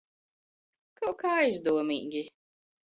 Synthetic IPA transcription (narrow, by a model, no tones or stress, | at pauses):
kawkaːajzd̪uɔmḭːɡʲi